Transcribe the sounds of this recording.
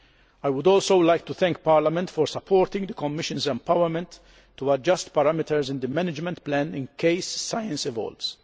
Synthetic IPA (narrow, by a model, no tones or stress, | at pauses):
ajwʊd̪ɔːlsowlajk̚t̪uθɛ̃ŋk̚paɾlamɛ̃nt̪fɔɾsɐpʰːɔːɾt̪ɪ̃ŋɡd̪əkɔmːɪʃə̃nzɛ̃mpawəɾmɛ̃nt̪ | tːuɐd͡ʒɐst̪pɐɾamɪt̪əɾzɪ̃nd̪əmɛnɪd͡ʒmɛ̃nt̪plæ̃nɪ̃nkʰeɪsːajə̃nsɪvɔ̰lts